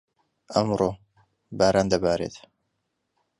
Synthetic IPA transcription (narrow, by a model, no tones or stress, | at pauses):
ʔɐmɾoː | baːɾaːnd̪ɐbaːɾḛt̪